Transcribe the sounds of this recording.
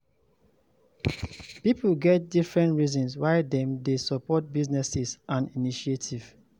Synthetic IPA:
pipulɡɛt̚difɹɛ̃ntɹizɔ̃nswaɪdɛ̃mdesɔpɔt̚biznɛsizʔãniniʃietʰiv̥

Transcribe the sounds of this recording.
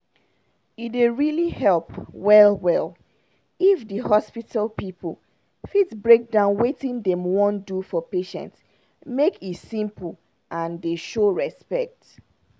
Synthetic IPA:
ideɹilihɛlˠpwɛlˠwɛl | ifdəhɔspitʰalpipʰl̩ˠ | fitsbɹek̚dãʊ̃nwetĩndɛ̃mwɔ̃ndufɔpeʃɛ̰̃nts | mekʰitsĩmp̩ | ʔãndeʃoɹɛspɛk̚t

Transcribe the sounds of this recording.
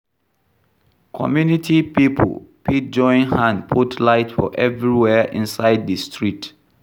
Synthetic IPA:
kʰɔ̰mjunitʰipipʰo̰lpʰid͡ʒɔ̃ɪ̃nhãnpʰutlaɪtfɔ̰ʔɛvɹiwɛʔĩnsaɪddəstʰɹit

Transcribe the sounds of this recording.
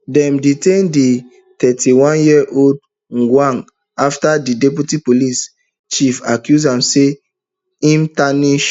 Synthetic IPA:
dɛ̃mditẽndi | tɛtiwɔ̃njiʔold̚ | ŋɡwãŋɡ | aftadidɛp̬utipolis | t͡ʃifakjuzãmse | ĩmtaniʃ

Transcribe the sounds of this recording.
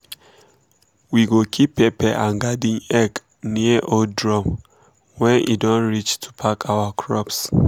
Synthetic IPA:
wiɡokʰipːepɛʔãŋɡadĩŋɛk | niəʔodɹɔ̃m | wɛ̃nʔḭdɔ̃nɹit͡ʃtʰu̥pʰakʰawakʰɹɔps

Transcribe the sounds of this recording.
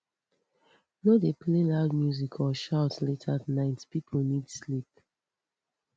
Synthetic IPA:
nodepʰlelaʊd̚mjuzikʰɔʃaʊtsletʰatnaɪtpipʰol̩nidslip̚

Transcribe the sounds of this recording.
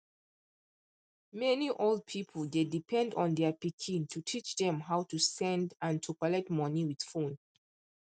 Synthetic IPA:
mɛniʔolˠd̚pʰipʰəld̪edipʰɛ̃ndɔ̃nd̪ɛpikʰĩntʰutʰit͡ʃðɛ̃mɦawtusɛ̃ndãntʰukɔlɛk̚tmʌniwid̥fũn

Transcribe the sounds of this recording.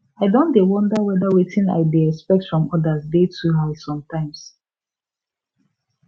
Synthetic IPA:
aɪdõndewɔ̃ndawɛdawetʰĩna̰ɪdeɛkspɛk̚tfɹɔ̃mɔdasdetʰuɦasɔ̃mtãɪ̃ms

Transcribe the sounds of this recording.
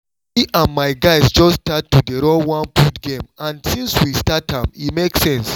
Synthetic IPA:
iʔãnmaɪɡaɪsd͡ʒɔstatːudeɾɔwɔ̃npʰutɡẽmãnsĩnswistatãmimeksɛ̃ns

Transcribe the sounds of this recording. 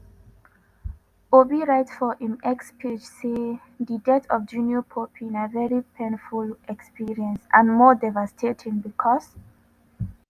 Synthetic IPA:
obiɹaɪtfɔʔĩmɛkspʰed͡ʒse | didɛtʰɔfd͡ʒũnjɔpʰopʰĩnavɛɹipʰẽnfulɛkspiɹiə̃nsʔãnmɔdɛvastʰetʰĩŋbikʰɔs

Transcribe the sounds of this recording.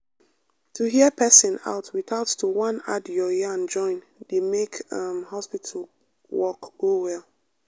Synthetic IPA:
tʰuɦiəpʰɛsɪ̃na̰ʊtʰwiθaʊtːuwãna̰djɔjɛãnd͡ʒɔ̃ɪ̃n | demekʌmhɔspitʰəl | wɔkɡ̥owɛlˠ

